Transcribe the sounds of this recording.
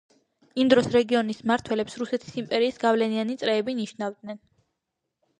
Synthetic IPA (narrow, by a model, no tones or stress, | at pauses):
imd̪ɾɔsɾɛɡiɔnismaɾt̪ʰwɛlɛpsɾusɛt̪ʰi̥simpʼɛɾiːsɡavlɛnianit̪sʼɾɛːbiniʃnavd̪̚nɛn